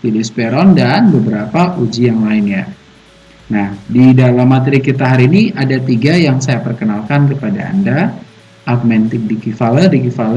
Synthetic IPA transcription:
pilɪspɛɾɔndanbəbəɾapaʔud͡ʒijaŋlaɪnja | nahdidalamːat̪əɾikit̪aɦaɾiːniʔadat̪iɡajaŋsajapərkənalkankəpadaa̰nda | ʔakmɛnt̪ɪk̚dikifalədikifalə

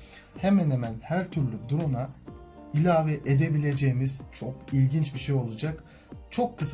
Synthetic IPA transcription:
he̞mænhemænhæɾt̪ʰyɾlʲyd̪uɾonailʲaːvɛʔed̪e̞bilʲe̞d͡ʒejimiz̥t͡ʃʰo̞kilʲɟint͡ʃbiʃejo̞lˠud͡ʒak | t͡ʃʰo̞kʰːɯs

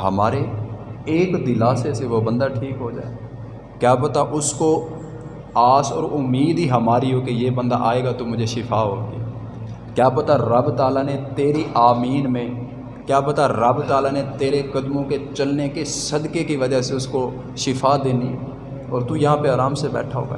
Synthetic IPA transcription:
ɦɐ̰maːɾeeːkd̪ɪlaːseseʋobə̃nd̪aʈʰiːkɦod͡ʒa̰ːe | kjaːpɐt̪aʔʊsko | aːsɔ̰ːɾʊmːiːd̪iɦɐmaːɾiɦokejebə̃nd̪a̰ʔaːeːɡat̪umʊd͡ʒʱeʃɪfʰaɦo̰ːɡia | kjaːpɐt̪aɾɐbt̪aːlanet̪eːɾiʔaːmiːnmẽ | kjaːpɐt̪aɾɐbt̪aːlanet̪eːɾekɐd̪mõket͡ʃɐlnekesɐd̪kekiʋɐd͡ʒəseʊsko | ʃɪfʰad̪eːni | ɔːɾt̪ujɐɦãpeaːɾaːmsebɛ̰ːʈʰaɦo̰ːɡa̰ː

